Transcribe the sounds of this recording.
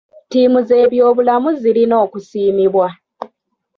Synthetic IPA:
tiːmuze̞ːβjo̞ːβulamuzilino̞ːkusiːmiβwa

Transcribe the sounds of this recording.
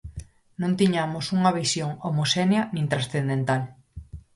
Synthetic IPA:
nõnt̪iɲamosuŋɐβisjoŋomosɛneɐnĩŋt̪ɾasθend̪ent̪al

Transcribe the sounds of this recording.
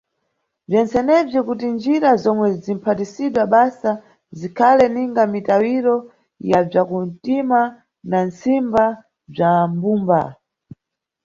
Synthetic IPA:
b͡ʐɛnt͡sɛnɛvɔkutind͡ʒiɾazɔmwɛzim̩pʰatisiɗwaɓasa | zikʰalɛniŋɡamitawiɾɔ | jab͡ʐakun̩tima | nant͡simba | b͡ʐambumba

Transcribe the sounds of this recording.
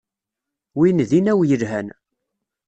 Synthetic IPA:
winðinæwjəlɦæn

